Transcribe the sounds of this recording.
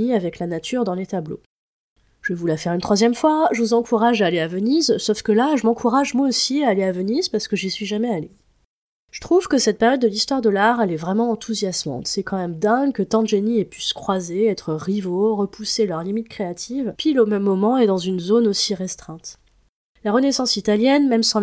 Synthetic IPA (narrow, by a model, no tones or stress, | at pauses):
iavɛklanat̪ʰyʁd̪ɑ̃let̪ablo̰ | ʒ̥əvulafɛʁynt̪χwazjɛmfwaʒəvuzɑ̃kuʁaʒaːleavənizsofkəlaʒəmɑ̃kʰuʁaʒmwaosiaːleavənizpaʁsə̥kəʒisɥiʒamɛale | ʒ̥ət̪χuv̥kəsɛt̪̚pɛʁjɔd̪ːəlist̪waʁd̪əlaʁɛlɛvʁɛmɑ̃ːt̪ʰuzjasmɑ̰̃t̪sɛkɑ̃mɛmd̪ɛ̃ɡkət̪ɑ̃d̪ʒeniɛpyskχwazeɛt̪χəʁivoʁəpʰuselœʁlimit̪kχeat̪ʰivpilomɛmːɔmɑ̃ɛd̪ɑ̃zynzonosiʁɛst̪χɛ̃t̪ | laʁənesɑ̃sit̪aljɛnmɛmsɑ̃